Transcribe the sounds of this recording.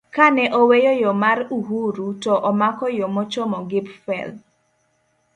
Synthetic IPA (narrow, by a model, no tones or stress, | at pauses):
kanɛʔɔwejojɔmaɾuɦuɾutɔʔɔmakɔjomɔt͡ʃɔmɔɡɪpfɛ̰l